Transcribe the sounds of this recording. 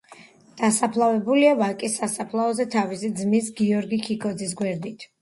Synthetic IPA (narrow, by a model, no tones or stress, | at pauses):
d̪̥asapʰlˠavɛbuliavalkʼisːasapʰlˠaɔzɛt̪ʰavisid̪zmisɡiɔɾɡikʰikʰɔd̪zis̬ɡwɛɾd̪it̪ʰ